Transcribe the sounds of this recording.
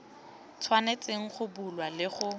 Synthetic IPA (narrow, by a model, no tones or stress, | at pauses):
t͡sʰwanet͡sʼɪŋ̩χʊbulwalɪχʊ